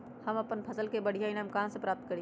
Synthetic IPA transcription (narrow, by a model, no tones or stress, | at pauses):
həməpənpʰəsəlkebəɽ̤ʱjainamkãnsə̃pɾap̚t̪̚kəɾi